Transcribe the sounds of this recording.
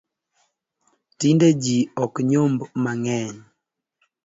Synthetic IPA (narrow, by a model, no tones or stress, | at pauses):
tinded͡ʒiɔkɲombmaŋɛɲ